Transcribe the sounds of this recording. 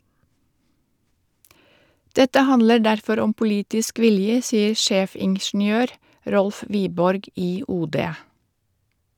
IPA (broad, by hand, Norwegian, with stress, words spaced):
ˈdɛtə ˈhɑnlə ˈɖæɾfɔɾ ˈɔm pʊˈliːtɪsk ˈʋɪljə ˈsiːəɾ ˈʃeːfɪŋʃɳ̩ˌjøːɾ ˈɾɔlf ˈʋiːbɔɾɡ ˈiː ˈuːˌdeː